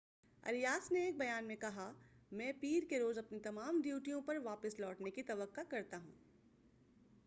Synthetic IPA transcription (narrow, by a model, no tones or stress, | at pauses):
ɐ̰lijaːsneeːk̚bɐjaːnmẽkɐɦamɛ̃ːpiːɾkeɾoːzɐpnit̪ɐmaːmd̪juːʈijõpɐɾʋaːpɪslɔːʈnekit̪ɐʋəqːakɐɾt̪aɦũː